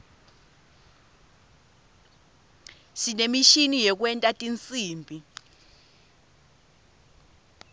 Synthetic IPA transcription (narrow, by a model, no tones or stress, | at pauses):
sinemiʃinijɛk̬wɛntʼatʼint͡sʼiːmbʱi